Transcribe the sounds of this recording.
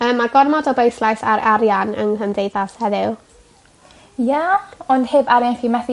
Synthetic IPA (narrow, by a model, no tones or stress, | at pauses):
əːmːaɡɔrmɔdɔbejθlˠajθaɾʔaɾjanə̰ŋɦəmdejðashɛðɪw | jaɔndheːbaɾjanχimɛθi